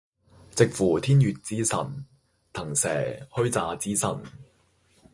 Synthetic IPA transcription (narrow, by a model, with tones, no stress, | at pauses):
t͡sɪ˨k̚fuː˨˩t̪ʰiː˥njyː˨t̚t͡siː˥sɐ̰˨˩n | t̪ʰɐ˨˩ŋsɛː˨˩hɵ˥ɥt͡saː˨˧t͡siː˥sɐ˨˩n